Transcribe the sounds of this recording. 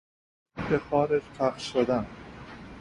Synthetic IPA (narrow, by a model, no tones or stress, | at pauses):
b̥exɒːɾed͡ʒpʰæxʃod̪æn